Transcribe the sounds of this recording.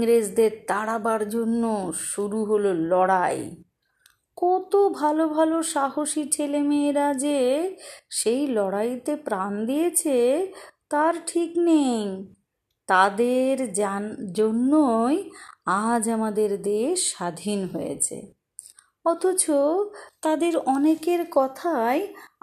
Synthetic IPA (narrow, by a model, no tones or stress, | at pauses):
ŋɾed͡ʑd̪eɾt̪aɽabaɾd͡ʑonːoʃuɾuɦololɔɽaj | kɔt̪obʱalobʱaloʃaɦoʃit͡ɕʰelemeːɾad͡ʑe | ʃejlɔɽajt̪epɾand̪ijet͡ɕʰet̪aɾʈʰiknej | t̪ad̪eɾd͡ʑonːojad͡ʑamad̪eɾd̪eʃːad̪ʱinɦojḛt͡ɕʰḛ | ɔt̪ʰot͡ɕot̪ad̪eɾɔnekeɾkɔt̪ʰae